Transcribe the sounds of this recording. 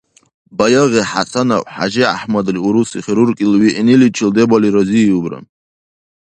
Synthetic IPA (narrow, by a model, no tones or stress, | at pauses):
bajaʁiħa̰sʰana̰ʔʷħa̰ʒia̰ħmad̪riuɾusiχʲɾurkʲʼilɥiʔinilit͡ʃʰɪld̪ebaliɾazijubra̰n